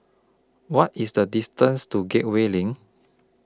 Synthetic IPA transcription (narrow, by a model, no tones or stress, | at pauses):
wɔtisdədistə̃nstuɡɛt̚welĩŋ